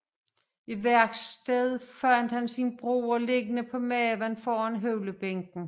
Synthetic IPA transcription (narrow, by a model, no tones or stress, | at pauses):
iʋæɐ̰ɡ̥sd̥eðˠfɶɐnd̥hænsinb̥ʁo̰ːɒle̝ɡ̥ənəpʰɒ̽mɛːʋænfɒːænɦøʊləb̥eŋ̰ɡ̥n̩